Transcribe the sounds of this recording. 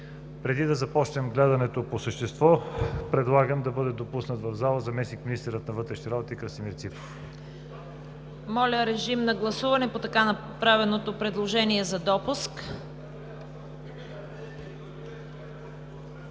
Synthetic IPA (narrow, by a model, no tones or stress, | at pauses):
pɾɛd̪id̪ɐzɐpɔt͡ʃnɛmɡlɛd̪ɐnɛt̪oposəʃt̪ɛst̪vɔpɾɛd̪lˠaɡəmd̪ɐbɤd̪ɛd̪opusnət̪vɐvzalˠəzɐmɛsnikminist̪ɛɾət̪̚nɐvɤt̪ɾɛʃniɾabot̪əikɾəsimiɾt̪sipɾof | mɔlʲəɾɛʒimnɐɡlˠɐsuvɐnɛpot̪ɐkanɐ | pɾavɛnot̪opɾɛd̪lˠoʒɛniɛzɐd̪ɔpusk